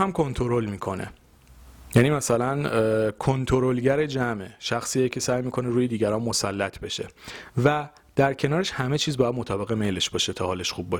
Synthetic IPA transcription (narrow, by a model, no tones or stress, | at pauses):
hæmkʰo̞nt̪ʰo̞ɾolmiːkʰo̞ne̞̰ | jæniːmæsælænkʰont̪ʰoɾolɟæɾe̞d͡ʒæmʔeʃæxsiːecʲʰesæːjmiːkʰo̞neɾuːjed̪iːɡɟæɾɒːnmosælːæt̪ʰbe̞ʃe̞̰væ | d̪̥æɾcʰe̞nɒːɾeʃhæme̞t͡ʃʰiːzbɒːjæd̪mot̪ʰɒːbe̞ɣe̞mejle̞ʃbɒːʃet̪ʰɒːhɒːle̞ʃxuːb̚ːɒːʃe